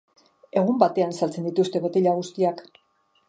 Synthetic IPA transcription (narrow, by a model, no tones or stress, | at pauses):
e̞ɣ̞umbat̪e̞ansalt͡se̞nd̪it̪ust̪e̞βet̪iʎaɣ̞ust̪iak